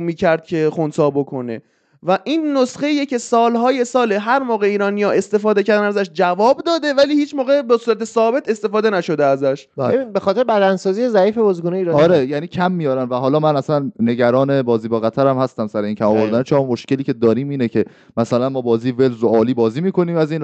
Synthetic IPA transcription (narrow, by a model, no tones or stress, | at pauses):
miːcʰæɾd̪̚cʰe̞xonsɒːbokʰo̞nḛ | væʔiːnːosχeiːjecʰe̞sɒːlɦɒːje̞sɒːleɦæɾmɒːɣe̞iːɾɒːnijɒːʔe̞st̪e̞fɒːd̪ecʰæɾd̪ænæzæʃd͡ʒævɒːbd̪ɒːd̪e̞væliːhiːt͡ʃʰmoːɣebesuːɾæt̪ʰesɒːbe̞t̪e̞st̪e̞fɒːd̪enæʃo̞d̪eæzæʃbæinbexɒt̪eɾebæd̪ænsɒːzijezæiːfebozɡuːneiɾɒɒɾejæːniːcʰæmːijɒːɾænvæɦɒːlɒːmænæslænːe̞ɟæɾɒːne̞bɒːziːbɒːɣæt̪ʰæɾæmhæst̪æmsæɾeiːncʰæmɒvoɾd̪ænet͡ʃʰeɾɒmoʃce̞liːcʰe̞d̪ɒːɾiːmiːnecʰe̞ | mæsælænmɒːbɒːziːvelzoɒːliːbɒːziːmiːkʰo̞niːmæziːn